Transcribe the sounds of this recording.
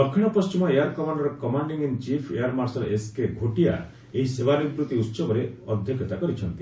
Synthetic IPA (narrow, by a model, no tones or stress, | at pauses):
d̪ɔkʰːiɽ̃ɔpɔst͡ʃimɔeaɾkɔmaɳɖɔɾɔkɔmaɳɖiŋint͡ʃipʰḛaɾmaɾsɔɾʔeskeɡʱoʈija̰ | eɦisebanid̪ɾut̪iut̪sɔbɔɾeɔd̪ʱjɔkjɔt̪akɔɾit͡ʃʰɔnt̪i